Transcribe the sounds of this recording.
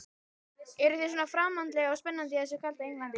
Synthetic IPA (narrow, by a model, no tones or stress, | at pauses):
ɛɾʏθes̬ɔːnafɾaːmant̪lɛɣaawspɛnːant̪ɪðɛs̬ʏkʰal̥t̪aejŋlant̪ɪ